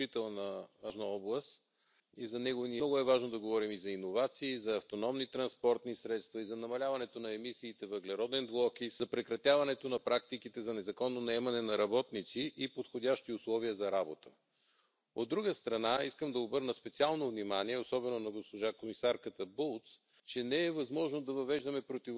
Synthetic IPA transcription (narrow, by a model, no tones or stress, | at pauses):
it̪ɛlˠnəːʒnəɔblˠəst̪ | izɐnɛɡovniɔɡʊɛvaʒnod̪ɐɡovɔɾimizɐinovat̪siːzɐːft̪onɔmnit̪ɾɐnspɔɾt̪nisɾɛt̪st̪vɐizɐnɐmɐlʲavɐnɛt̪onɐɛmisiːt̪ɛvəɡlɛɾɔd̪ɛnblˠɔkizɐpɾɛkɾɐt̪ʲjavɐnɛt̪onɐpɾakt̪ikit̪ɛzɐnɛzɐkɔnːonɐɛmɐnɛnɐɾɐbɔt̪nit̪siʔipot̪xodʲaʃt̪iʊslˠɔviəzɐɾabot̪ə | od̪ːɾuɡəst̪ɾɐnaiskəmd̪ɐobɤɾnəspɛt̪sialˠnovnimaniɛosɔbɛnonɐɡospoʒakomisaɾkət̪əbulˠt̪s | t͡ʃɛnɛɛvɐzmɔʒnod̪ɐvɐvɛʒd̪əmɛpɾot̪i